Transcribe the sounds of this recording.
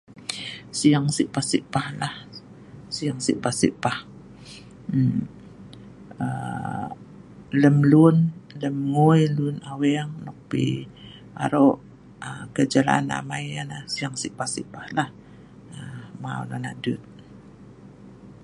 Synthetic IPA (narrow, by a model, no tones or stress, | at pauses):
sijaŋsiʔpahsiʔpahlah | siaŋsḭʔpahsḭʔpah | ə | ləmlunləmŋojlunawɛŋnɔk̚pḭ | a̰ɾoʔ | əkəd͡ʒala̰ana̰majanasiaŋsiʔpahsiʔpahlah | əma̰w̰lo̰naʔdut̪̚